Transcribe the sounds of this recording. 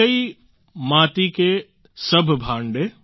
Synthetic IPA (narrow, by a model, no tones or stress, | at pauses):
ɐi | maːt̪ike | sɐbʱbʱaːɳɖe